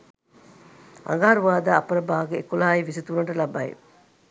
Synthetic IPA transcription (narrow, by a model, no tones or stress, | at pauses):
ʔa̰ŋɡaɦɐɾuʋaːd̪aːɐpɐɾɐbaːɡeekulaːiʋisit̪uɾɐɳʈɐlɐbɐḛ